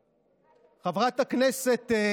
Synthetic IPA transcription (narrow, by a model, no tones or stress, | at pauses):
χavʁat̪hakneset̪ː